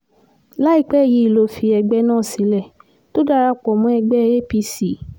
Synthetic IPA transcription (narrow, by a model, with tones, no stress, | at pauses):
la˦i˦˨k͡pɛ˦˨ji˨˧˦i˨lo˨˦fi˧ɛ˧ɡ͡bɛ˦nãː˦˨si˨˦lɛ˦˨ | to˦da˦˧ɾa˧k͡pɔ˨mũ˨˦ɛ˧ɡ͡bɛ˦˧e˦pi˧si˨˦